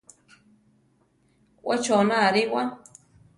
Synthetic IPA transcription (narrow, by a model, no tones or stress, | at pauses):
wʔat͡ʃonãaɾiwa